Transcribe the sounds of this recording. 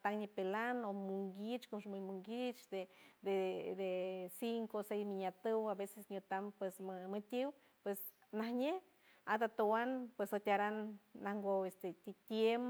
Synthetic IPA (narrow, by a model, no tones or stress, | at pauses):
at̪aŋɲipelanomuŋɡit͡ʃkomʃmumuŋɡit͡ʃd̪ed̪ed̪esiŋkosejsmiɲat̪ɨwabesesɲʲut̪ampwesmmɨt̪ʲiw | pwes | nahɲe | at̪at̪owanpwesot̪ʲaɾanːahŋɡoest̪et̪ʲit̪jem